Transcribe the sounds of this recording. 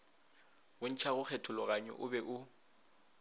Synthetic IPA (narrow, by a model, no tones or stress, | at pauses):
ʊn̩t͡ʃʰaɣʊk͡xʰɛtʰʊlɔɣaɲɔ̰ʔʊbɛʔʊ